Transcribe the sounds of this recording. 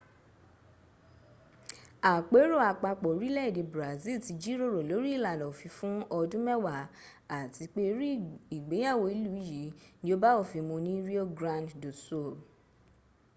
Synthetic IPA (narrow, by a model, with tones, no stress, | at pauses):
a˨k͡pe˨˦ɾo˦˨a˨k͡pa˧k͡pɔ˨˦ɾi˦lɛ˦i˦˨de˨˧bɾa˨zi˦˨ti˨˧d͡ʒi˦ɾo˦˨ɾo˨lo˨˦ɾi˦i˦˨la˨nɔ˨fi˧˦fũ˦ɔ˧dũ˦mɛ˦wa˨ | a˨ti˨˧˦k͡pe˦ɾi˦i˨ɡ͡be˨˦ja˦˨wo˧˦i˦lu˦i˦˨ji˨˦nĩ˧˦o˧ba˦o˦˨fi˧mõ˧nĩ˦ɾi˦o˦ɡɾã˧nddo˨so˦˨